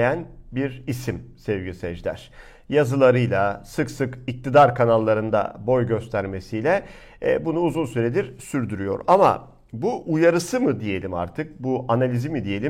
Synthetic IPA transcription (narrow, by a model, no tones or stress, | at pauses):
jænbiɾisimsɛvɟisɛd͡ʒlʲæ̰ɾ̥ | jazɯlˠaɾɯjlˠasɯksɯkic̚t̪ʰid̪aɾkʰanalˠːaɾɯnd̪a̰bo̞jɟø̞st̪ʰæɾme̞sijlʲɛ̰ | bunuːzunsyɾe̞d̪iɾsyɾd̪yɾyjo̞̰ɾama̰ | buʔujaɾɯsɯmɯd̪ije̞lʲima̰ɾt̪ʰɯk̚buʔanalʲizimid̪ije̞lʲi